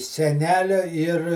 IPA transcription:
sʲɛˈnʲæːlʲoː ɪr

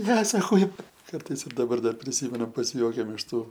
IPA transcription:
ˈnʲɛ sɐˈkɐʊ ˈkɐrtɐɪs ɪr dɐˈbɐr ˈdɐr pʲrʲɪˈsʲiːmʲɛnʊ pɐsʲɪˈjuɔkʲɛm ɪʃ ˈtuː

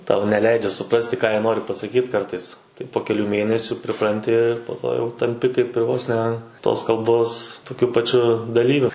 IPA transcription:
ˈtɐʊ nʲɛˈlʲɛɪd͡ʒʲɛ sʊˈprɑːsʲtʲɪ kɑː ˈjiɛ ˈnoːrʲɪ pɐsɐkʲiːt ˈkɐrtɐɪs tɐɪ poː kʲɛˈlʲuː ˈmʲeːnʲɛsʲʊ pʲrʲɪˈprɐnʲtʲɪ ɪr poː ˈtoː jɛʊ tɐmʲˈpʲɪ kɐɪp ɪr ˈʋoːs nʲɛ toːs kɐlˠˈboːs toːˈkʲʊ pɐˈt͡ʃʲʊ dɐˈlʲiːʋʲʊ

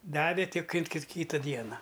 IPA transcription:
ˈdɑːʋʲeː ˈtʲɪk ˈɪn kʲɪt ˈkʲiːtɐ ˈdʲiɛnɐ

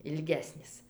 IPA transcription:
ɪlʲˈɡʲæːsʲnʲɪs

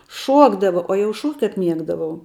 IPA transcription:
ˈʃuɔɡdɐʋɐ oː jɛʊ ˈʃuɔkʲtʲ kɐp ˈmʲiɛɡdɐʋɐʊ

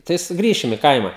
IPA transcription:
tɐɪ sʊˈɡrʲiːʃʲɪm ɪ ˈkɐɪmɐ

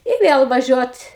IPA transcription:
ɪ ˈʋʲeːlˠ ʋɐˈʒʲuɔt

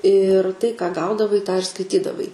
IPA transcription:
ɪr tɐɪ kɑː ˈɡɐʊdɐʋɐɪ tɑː ɪr skɐɪˈtʲiːdɐʋɐɪ

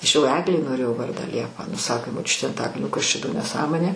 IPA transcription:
ˈɐʃ jɛʊ ˈæːɡlʲɛɪ noːˈrʲeːjɛʊ ˈʋɐrdɑː ˈlʲiɛpɐ ˈnʊ ˈsɑːkʲeː moːˈt͡ʃʲʊtʲeː ɐnˈtɑːkɐlʲnʲoː ˈkɐs ˈt͡ʃʲɛ doː nʲɛˈsɑːmoːnʲeː

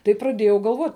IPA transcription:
tɐɪ prɐˈdʲeːjɛʊ ɡɐlˠˈʋoːtʲ

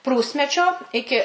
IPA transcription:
ˈpruːsʲmʲɛt͡ʃʲoː ˈɪkʲɪ

